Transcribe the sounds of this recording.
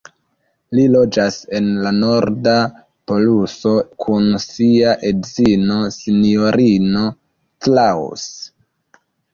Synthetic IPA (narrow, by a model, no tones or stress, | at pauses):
lilo̞d͡ʒase̞nlano̞ɾda | po̞luso̞kʰunsiaʔedzino̞sinioɾino̞ | tlaw̰s